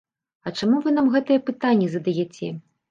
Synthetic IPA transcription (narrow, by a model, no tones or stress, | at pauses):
ɐt͡ʂamuvɨn̪amɣɛt̪ɐjɛpɨt̪anʲːɛzɐd̪ajɛt͡sʲɛ